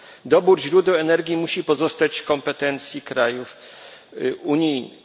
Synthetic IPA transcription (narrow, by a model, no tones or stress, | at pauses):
d̪ɔbuɾʑɾud̪ɛwɛnɛɾɡʲimuɕipɔzɔst̪at͡ɕkɔmpɛt̪ɛnt̪sʲjikɾajuf | uɲijn